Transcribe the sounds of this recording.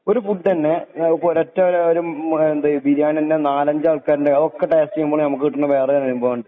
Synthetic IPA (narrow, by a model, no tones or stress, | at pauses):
o̞ɾufuʈːt̪ɐnːe̞poɾɐtːɐɾeoɾuend̪aːjubiɾjaːɳɐndenaːlɐɲd͡ʑɨaːɭkːaːɾinɖeɐðokːeʈeːstiumboːɭnɐmuk̬ːɨkiʈːɐnːɐʋe̞ːrɐjanɐnumbɐʋɐɳɖɨ